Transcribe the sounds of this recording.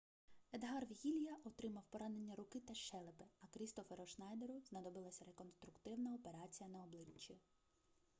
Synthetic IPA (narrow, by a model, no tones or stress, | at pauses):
ed̪ɦɑrʋʲiɣʲilʲjɐʔɔt̪ɾɪmɐwpɔɾɑne̞nʲːɐɾʊkɪt̪ɐʃɛlˠepɪɐkɾʲist̪ɔfeɾɔʃnɑjd̪eɾʊznɐd̪ɔbɪlˠɐsʲɐɾekɔnst̪ɾʊkt̪ɪwnɐɔpe̞ɾɑt͡sʲijɐnɐɔblˠɪt͡ʃːi